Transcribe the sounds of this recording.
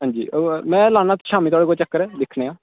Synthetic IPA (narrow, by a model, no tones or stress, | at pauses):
ɦãːɲd͡ʒḭːmɛ̃ːlaːnaːt̪ːʃaːmiːt̪oaːɽeːkoːt͡ʃəkːəɾɛːd̪ɪkʰɽẽːãː